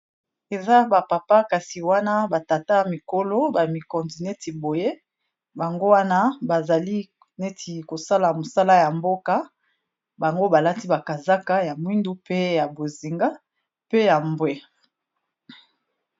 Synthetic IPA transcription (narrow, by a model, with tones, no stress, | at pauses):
e˨za˦ba˨pa˨pa˦ka˨si˨wa˦na˦ba˨ta˨ta˦a˨mi˨ko˦lo˦ba˨mi˨kɔ˨nzi˨ne˦ti˨bo˨je˦ | ba˨ŋɡo˦wa˦na˦ba˨za˨li˦ | ne˦tʰi˨ko˨sa˦la˨mo˨sa˦la˦ja˨mbo˦ka˦ | ba˨ŋɡo˦ba˨la˦ti˦ba˨ka˨za˦ka˦ja˨mwi˦ndu˦pe˦ja˨bo˨zi˨ŋɡa˦ | pe˦ja˨mbwe˦